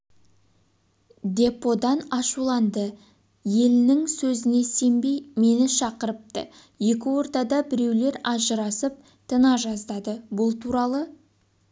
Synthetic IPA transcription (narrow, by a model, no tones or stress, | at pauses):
d̪e̞pːo̞d̪ɑnɑʃulˠɑnd̪ə | je̞lɪnɪŋsɵzɪne̞se̞mbe̞jme̞nɪʃɑqəɾəp̚t̪ə | je̞kʲɪwo̞ɾt̪ɑd̪ɑbɪɾe̞wle̞ɾɑʒəɾɑsəp̚ | t̪ʰənɑʒɑzd̪ɑd̪əbʊlˠt̪ʰuɾɑlˠə